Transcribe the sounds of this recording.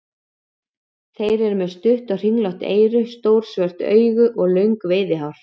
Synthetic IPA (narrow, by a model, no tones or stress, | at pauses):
θejɾɛɾmɛðst̪ʏht̪ar̥iŋlaht̪ḛːjɾʏst̪oːwɾ̥svɛr̥t̪œ̰ːɥɣʏʔɔɣlœɥŋkveːðɪɦawɾ̥